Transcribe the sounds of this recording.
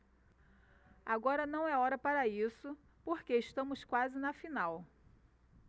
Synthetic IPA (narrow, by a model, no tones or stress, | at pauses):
aɡɔɾɐnɐ̃w̃ɛɔɾɐpaɾɐisʊ | poɾkeɪʃt̪ɐ̃mʊskwazɪnɐfinaw